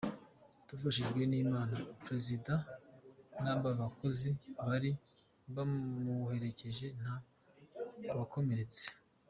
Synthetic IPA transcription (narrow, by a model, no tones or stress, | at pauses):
tufaʃiʒɡwe̞niːmaːnapɾe̞zida | nabaβakʰo̞ziβaɾi | bamuhe̞ɾe̞ce̞ʒe̞n̥a | βako̞me̞ɾe̞t͡se̥